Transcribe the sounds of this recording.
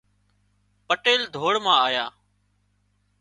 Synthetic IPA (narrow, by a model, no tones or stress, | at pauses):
pəʈeːld̪ʱoːɽmãːaːjaː